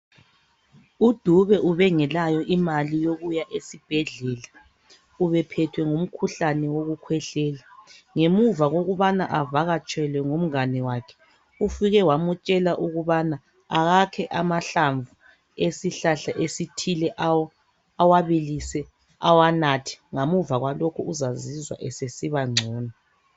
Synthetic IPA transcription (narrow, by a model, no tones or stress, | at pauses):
ud̥ʱuβɛʔuβɛŋɛlajɔʔimalijoɣujaʔesib̥ʱɛɮɛla | uβɛpʰɛtʰwɛŋum̩kʰuɬanɛwoɣukʰwɛɬɛːlaŋemuvaɣoɣuβanaʔavaɣat͡ʃʼɛlwɛŋum̩ŋanɛwaːkʰɛ̥ | ufiɣɛwamut͡ʃʼɛlaʔuɣuβana | aɣakʰɛʔamaɬaɱvu | esiɬaɬaʔesitʰilɛʔawɔ | awaβilisɛ | awanatʰi̥ŋamuvaɣwalokʰuuzazizwa̰ʔɛsesiβaŋ͡ǀʱɔːna